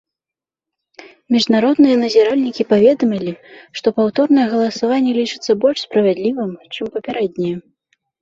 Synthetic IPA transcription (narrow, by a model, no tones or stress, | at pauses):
mʲiʐnaɾɔd̪nɨjɐnɐzʲaɾalʲnʲikʲipavʲɛd̪ɐmʲilʲiʂt̪ɔpawt̪ɔrnɐjɛɣɐlˠɐsavanʲːɛlʲit͡ʂɨ̥t̪sːɐbɔlʲʂspɾɐvʲad̪lʲivɨmt͡ʂɨmpɐpʲaɾɛd̪ʲnʲɛjɛ